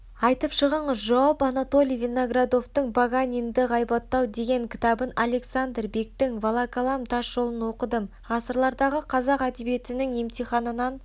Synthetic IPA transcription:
ɑjt̪əpʃəʁəɴəzʒɑwɑpɑnat̪o̞lʲijvʲenoɡrad̪o̞ft̪əɴbaɡanʲind̪ɪʁɑjbɑt̪ːɑwd̪e̞ɡʲe̞ŋkʲʰɪ̥t̪ɑbənale̞ksand̪rbe̞k̚t̪ɪŋvɑlˠɑkalˠɑmt̪ʰɑʃʒ̥o̞lˠənwo̞qəd̪əm | ʁɑsəɾlˠɑɾd̪ɑʁəqʰɑzɑqæd̪ebije̞t̪ɪnɪŋe̞mt̪ijχɑnənɑn

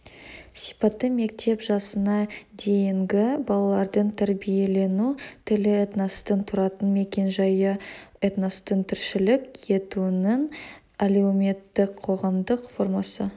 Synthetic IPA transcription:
sijpɑt̪ːəme̞k̚t̪e̞pʒɑsənɑd̪e̞jɪŋɡʲɪbɑlˠɑlˠɑɾd̪əɴt̪ʰæɾbije̞le̞nut̪ʰɪlɪet̪nost̪ənt̪ʰʊɾɑt̪ənme̞kʲe̞nʒɑjəet̪nost̪ənt̪ʰɪɾʃɪlɪke̞t̪unəŋ | alewmʲe̞t̪ːɪkqʰːo̞ʁɑmd̪əqfo̞ɾmɑsə

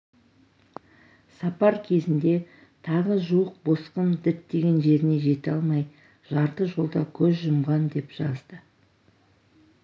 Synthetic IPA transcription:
sɑpɑɾkʲʰe̞zɪnd̪e̞ | t̪ʰɑʁəʒuwəq̚bo̞sqəmd̪ɪt̪d̪e̞ɡʲe̞nʒe̞ɾɪneʒe̞t̪ɑlˠmɑj | ʒ̥ɑɾt̪əʒo̞lˠd̪ɑkʲʰɵzʒʊmʁɑnd̪e̞pʒ̥ɑzd̪ə

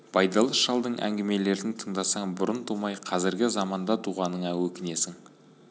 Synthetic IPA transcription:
bɑjd̪ɑlˠəsʃɑlˠd̪əɴʔæ̰ŋɡʲeme̞le̞ɾd̪ɪnt̪ʰəɴd̪ɑsɑɴbʊɾənt̪ʰumɑjqʰɑzɪɾɡʲɪzɑmɑnd̪ɑt̪ʰuʁɑnəɴɑwɵkʲɪne̞sɪŋ

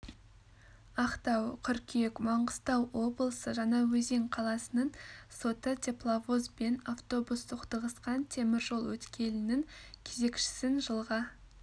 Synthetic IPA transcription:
ɑqt̪ɑwqʲʰʏɾkʲʰekmɑɴʁəst̪ɑwwo̞blˠəsəʒɑnɑwɵze̞ŋqʰɑlˠɑsənəɴso̞t̪ət̪ʲʰe̞plˠavozbe̞naft̪o̞bust̪ʰoqd̪əʁəsqɑnt̪ʰe̞mɪɾʒo̞lˠwɵt̪kʲʰe̞lɪnɪŋkʲʰe̞ze̞kʃɪ̥sɪnʒəlˠʁɑ

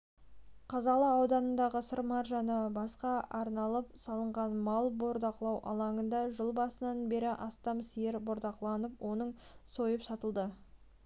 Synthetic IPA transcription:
qʰɑzɑlˠɑɑwd̪ɑnənd̪ɑʁəsəɾmɑɾʒɑnəbɑsqɑʔɑɾnɑlˠəp̚sɑlˠəɴʁɑnmɑlˠbo̞ɾd̪ɑqlˠɑwʔɑ̰lˠɑŋənd̪ɑʒəlˠbɑsənɑnbe̞ɾɪʔɑst̪ɑmsijeɾbo̞ɾd̪ɑqlˠɑnəpwʔo̞nəɴso̞jəpsɑt̪əlˠd̪ə

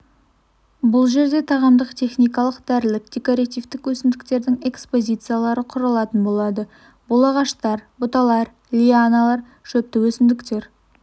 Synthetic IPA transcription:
bʊlˠʒe̞ɾd̪e̞t̪ʰɑʁɑmd̪əqt̪ʰe̞χnijkɑlˠəqd̪æɾɪlɪk̚d̪̥ʲe̞ko̞ɾat̪ijft̪ɪkwɵsɪmd̪ɪk̚t̪e̞ɾd̪ɪŋe̞kspo̞zʲijt̪sɨjalˠɑɾəqʰʊɾɑlˠɑt̪ənbo̞lˠɑd̪ə | b̥olˠɑʁɑʃt̪ɑɾbʊt̪ɑlˠɑɾ | lʲianalˠɑɾ | ʃɵp̚t̪ːɪwɵsɪmd̪ɪkt̪e̞ɾ

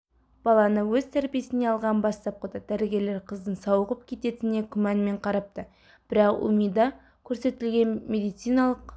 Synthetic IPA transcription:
b̥ɑlˠɑnəwɵz̥t̪ʰæɾpije̞sɪne̞ɑlˠʁɑnbɑst̪ɑp̚qʰəd̪əd̪̥æɾeɡʲe̞le̞ɾqʰəzd̪ənsɑwəʁəp̚kʲʰe̞t̪e̞t̪ɪne̞kʲʰʏmænme̞ɴqʰɑɾɑp̚t̪ə | b̥ɪɾɑqṵmijd̪ɑ | kʲʰɵɾse̞t̪ɪlɡʲe̞nmʲe̞d̪ijt̪sɨjnɑlˠəq

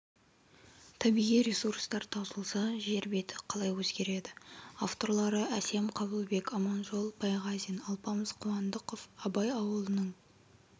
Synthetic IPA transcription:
t̪ʰɑbijʁijɾʲesurst̪ɑɾt̪ʰɑwzəlˠsɑʒe̞ɾbe̞t̪ɪ̥qʰɑlˠɑjwɵzɡʲe̞ɾe̞d̪ɪa̰ft̪o̞ɾlˠɑɾəʔæse̞mqʰɑbəlˠbe̞kɑmɑnʒo̞lˠbʰɑjʁɑzijnɑlˠpɑməzqʰʊwɑnd̪əqofɑbɑjɑwəlˠənəɴ

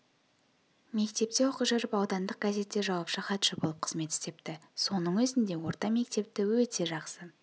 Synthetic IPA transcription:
me̞kt̪e̞p̚t̪e̞woqəʒəɾəpɑwd̪ɑnd̪əq̚ɡaze̞t̪ːe̞ʒɑwɑpʃəqʰɑt̪ʃɪbolˠəp̚qʰə̥zme̞t̪ɪ̥st̪e̞pt̪ɪso̞nəɴwɵzɪnd̪e̞wo̞ɾt̪ɑme̞k̚t̪e̞p̚t̪ɪwɵt̪e̞ʒɑqsə

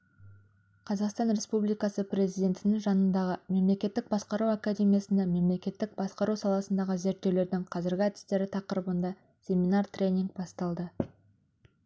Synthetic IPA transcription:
qʰɑzɑqst̪ɑnɾe̞spublijkɑsəprʲe̞zijd̪ʲe̞nt̪ɪnɪŋʒɑnənd̪ɑʁəme̞mle̞kʲe̞t̪ːɪk̚bɑsqɑɾuwakad̪ʲe̞mʲijasɪnd̪eme̞mle̞kʲe̞t̪ːɪk̚bɑsqɑɾʔuwsɑlˠɑsənd̪ɑʁəze̞ɾt̪ːe̞wle̞ɾd̪ɪŋqʰɑzɪɾɡʲɪæd̪ɪ̥st̪e̞ɾɪt̪ʰɑqəɾəbənd̪ɑ | sʲe̞mʲinɑrt̪rʲe̞nʲiŋɡ̚bɑst̪ɑlˠd̪ə

